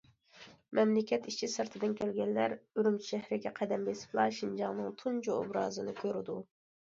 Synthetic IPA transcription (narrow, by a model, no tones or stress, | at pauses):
mɛmlɪkʲɛt̪it͡ʃʰisɨɾt̪ʰɨd̪ɨnkʲɛlɡʲɛnlæɾøɾymt͡ʃʰi̥ʃɛhɾɪɡʲɛqʰɛd̪ɛmbesɪ̥plˠɑʃind͡ʒɑŋnɨŋt̪ʰund͡ʒuo̰bɾɑ̰ːzɨnɨkʲʰøɾɪd̪u